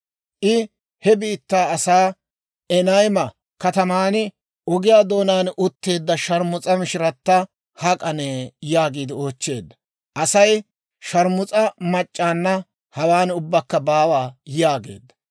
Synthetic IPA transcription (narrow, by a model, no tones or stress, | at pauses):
ʔɪ | hɛbiːt̪ːaːɐsaː | ɛnɐjmɐ | kɐt̪ɐmaːnɪ | ɔɡɪjaːd̪o̞ːnaːnʔʊt̪ːe̞ːd̪ːɐʃɐɾmʊt͡sʼɐmɪʃɪɾɐt̪ːɐ | hɐkʼɐneːjaːɡiːd̪ɪo̞ːt͡ʃːe̞ːd̪ːɐ̥ | ʔɐsɐj | ʃɐɾmʊt͡sʼɐmɐt͡ʃʼːaːnːɐ | hɐwaːnʊbːɐkːɐbaːwaːjaːɡe̞̰ːd̪ːɐ̥